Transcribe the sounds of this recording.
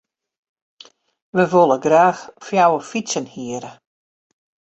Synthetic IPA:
ʋəʋolˠəɡraːxfjawəfisənhiəɾə

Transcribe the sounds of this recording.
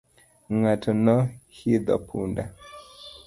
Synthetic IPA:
ŋatʰɔnɔhiðɔ̰pʰṵnda

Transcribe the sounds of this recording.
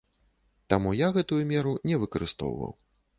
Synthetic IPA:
t̪amujaɣɛt̪ujumʲɛɾunʲɛvɨkɐɾɨst̪ɔ̰wvɐ̰w

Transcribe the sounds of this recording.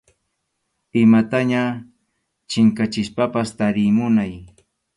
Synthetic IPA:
ɪmat̪aɲa | t͡ʃɪŋkat͡ʃɪspapast̪aɾɪmʊnaj

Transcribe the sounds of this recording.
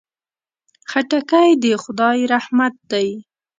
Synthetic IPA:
xaʈakajd̪əxʊd̪ɑjɾahmat̪̚d̪aj

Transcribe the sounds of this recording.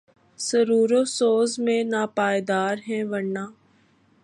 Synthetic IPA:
səɾuːɾoːsoːzmẽnaːpaːjd̪aːɾɦɛ̃ːʋəɽnaː

